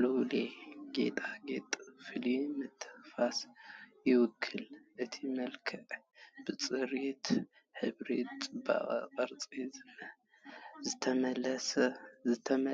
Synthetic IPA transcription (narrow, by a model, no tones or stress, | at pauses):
lɨwleɡe̞̰t̪ʼaɡet̪ʼfɨlimɨt̪ʰːɨ̥xfasjɪwʊkʰːɨlʔɨt̪ʰimɐlkʰɐʔb̥ɨt͡sʼɨɾit̪ | ħɨβɾḛt̪t͡sʼɨba̰ʔʼqʼɐɾt͡sʼizɨnɐ | zɨt̪ʰɐmɐlɐszɨt̪ʰɐm